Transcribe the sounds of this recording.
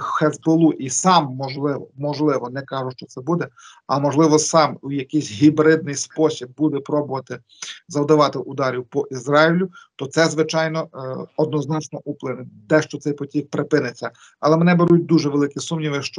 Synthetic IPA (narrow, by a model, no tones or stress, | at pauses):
xɛzbolˠuʔisɑmːɔʒlˠɪʋɔmɔʒlˠɪʋɔnɛkɑʒʊʃt͡ʃɔt̪sɛbud̪ɛ | ɐmɔʒlˠɪʋɔsɑmujɐkɪjsʲɦʲibɾɪd̪̚nɪjspɔsʲib̚ːud̪ɛpɾɔbʊʋɐt̪ɪ | zɐwd̪ɐʋɑt̪ɪʔʊd̪ɑɾʲiwpɔʔizɾɑilʲʊt̪ɔt̪sɛzʋɪt͡ʃɑjnɔɔd̪nɔznɑt͡ʃnɔʔuplˠɪnɪd̪ɛʃt͡ʃɔt̪sɛjpɔtʲiwpɾɪpɪnɪt͡sʲːɐ | ɐlˠɛmenɛbeɾut̚ʲd̪uʒɛʋelˠɪkʲisumnʲiʋɪʃt͡ʃɔ